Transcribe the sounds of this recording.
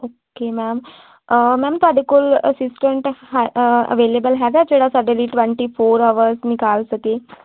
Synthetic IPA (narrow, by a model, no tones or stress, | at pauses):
okemæm | mɛmt̪oaɖ̪ikuləsisʈəɳʈɦaə̰ʋelebəlɦaɡ̪at͡ɕeɽasəɖəɾiʈʋẽɳʈifoːɾaʋəɾsnikalsəke